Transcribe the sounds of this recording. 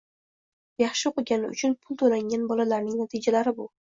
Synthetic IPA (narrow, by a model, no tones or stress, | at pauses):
jɑχʃɪqʰʊɡʲanɪʊ̰t͡ʃʰʊnpʰʊlˠt̪ʰolaŋʲanbɒlalaɾnɪŋnat̪ʰɪd͡ʒalaɾɪbʊ